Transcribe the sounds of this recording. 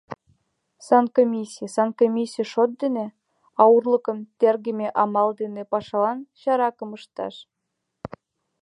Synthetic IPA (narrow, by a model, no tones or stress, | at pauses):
sɑnkomʲisʲijəsɑnkomʲisʲijəʃot̪̚d̪ene | ɑurlˠɤ̆kə̆mt̪erɡɘ̆mʲeʔɑmɑld̪enepɑʃɑlɑnɕɑɾɑkɤ̆məʃt̪ɑ̰ʃ